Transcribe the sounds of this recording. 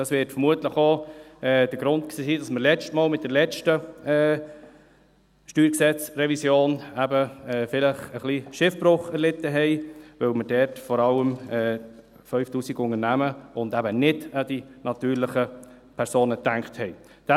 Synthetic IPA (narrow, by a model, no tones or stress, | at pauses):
d̥ɑsʋɪːɾtfəɾmuətləχoɛːd̥əɡɾʊntksiːsiːdɑsməɾlɛt͡stmɔːlmɪt̪̚d̥əlɛt͡ʃtəː | ʃtyːɾksɛt͡sɾɛvisjoːnæbəɛːfɪləχəχliʃɪfb̥ɾʊχɛɾlɪt̪ːəɦɛɪʋœwmədɛɾtfɔɾɑləmɛː | fœʏftuːsiɡʊŋənæməʊndæbənɪd̥əd̥inɑt̪yːɾlɪχə | pʰɛɾsoːnət̪æŋkthɛɪ | d̥ɛ